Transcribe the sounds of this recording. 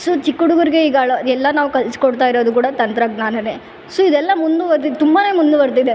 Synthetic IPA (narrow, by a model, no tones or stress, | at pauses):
sut͡ʃikːuɽuɡuɾiɡe̞iɡaːɭɐɛlːɐnaːʋukɐlskoɽt̪aːjiɾoːd̪ukuːɽɐt̪ɐnt̪ɾɐɡnaːnɐne | suid̪ɛlːɐmund̪uʋɐɾt̪id̪et̪umbaːne̞ːmund̪uʋɐɾt̪id̪e